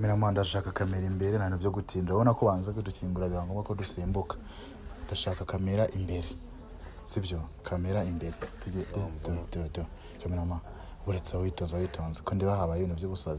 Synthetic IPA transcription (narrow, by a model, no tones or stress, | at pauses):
kmeɾamandaʃaːkakameɾimbe̞ɾenanivjoɡutʰiːndɾaβonakuβaːnzekoduciːŋɡuɾaβiaːŋɡoβɡakoduseːmbukḁ | ndaʃaːkakameɾaʔimbe̞ɾe | siβjo̞kʰameɾaimbeɾetuɟededutodo | kamiɾama | βuɾet͡sewiːtoːnzawiːto̞ːnzikondiβahaβaiβiːnuvjoβusazi